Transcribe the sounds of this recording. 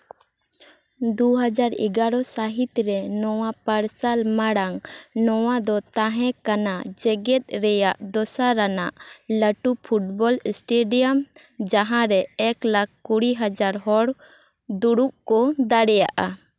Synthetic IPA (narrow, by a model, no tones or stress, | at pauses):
d̪uɦad͡ʒaɾḭɡaɾɔsaɦit̪ɾɛnɔwapaɾsalmaɽaŋnɔwad̪ɔt̪ãɦɛ̃kanad͡ʒɛɡɛt̪̚ˀɾɛjaʔd̪ɔsaɾanaʔləʈupʰuʈ̚bɔlsʈeɖijam | d͡ʒaɦãɾɛːklakʰkuɽiɦad͡ʒaɾɦɔɽ | d̪uɽup̚kɔd̪aɽɛjaʔa